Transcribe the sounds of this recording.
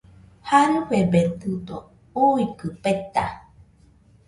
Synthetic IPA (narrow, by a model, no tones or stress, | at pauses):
haɾɨɸebet̪ud̪o | uikɨpet̪a